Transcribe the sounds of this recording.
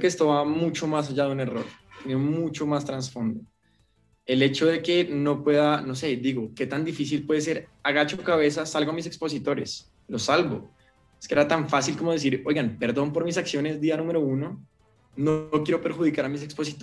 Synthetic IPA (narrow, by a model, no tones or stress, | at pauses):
keːst̪oβamut͡ʃo̞mas̬aʝaðeune̞ro̞̰ɾt̪eniomut͡ʃo̞mast̪ɾansfo̞nd̪o | e̞le̞t͡ʃo̞ðe̞ke̞no̞pwe̞ðano̞se̞d̪iɣo̞ke̞t̪and̪ifisilpwe̞ðes̬e̞ɾaɣat͡ʃokaβ̞e̞s̬asalɡo̞amis̬e̞kspo̞sit̪o̞ɾe̞s | lo̞salβo̞ | eskeeɾat̪aɱfasilko̞mo̞ð̞e̞s̬iɾo̞jɣanpe̞ɾðo̞mpo̞ɾmisaksjo̞ne̞zd̪ianũme̞ɾo̞uno̞ | nokje̞ɾo̞pe̞ɾxuðikaɾamis̬e̞kspo̞sit̪